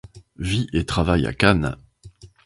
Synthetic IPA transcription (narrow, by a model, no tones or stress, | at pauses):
viʔet̪χavaja̰kan